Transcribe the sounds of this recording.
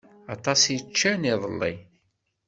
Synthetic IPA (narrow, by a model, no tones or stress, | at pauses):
ɑt̪ˤɑsjt͡ʃːæniðˤəlːḭ